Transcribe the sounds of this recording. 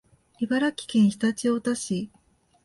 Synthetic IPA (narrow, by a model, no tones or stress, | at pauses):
ibaɾakʲi̥kẽ̞ɰ̃çi̥t̪at͡ɕio̞t̪aɕi